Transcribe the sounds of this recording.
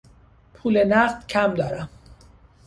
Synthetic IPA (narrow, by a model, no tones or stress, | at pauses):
pʰuːlenæɢd̪̥cʰæmd̪ɒːɾæm